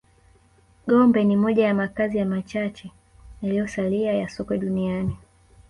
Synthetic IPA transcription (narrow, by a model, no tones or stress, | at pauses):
ɠɔmbɛnimɔʄajamakazijamat͡ʃat͡ʃɛ | jalijɔsaliajasɔkwɛɗuniani